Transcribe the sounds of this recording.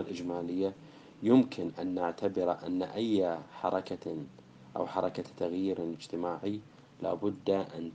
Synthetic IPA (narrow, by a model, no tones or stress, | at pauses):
alʔɪd͡ʒmaːlɪjːa | jʊmkʰɪnʔanːaʕt̪ʰabɪɾʔa̰nːa̰ʔajːħɑ̰ɾˤɑka | ʔa̰wħɑɾˤɑkat̪ːaɣjiːɾlɪd͡ʒt̪ɪmaːʕi | la̰ːbʊd̪ːaʔa̰n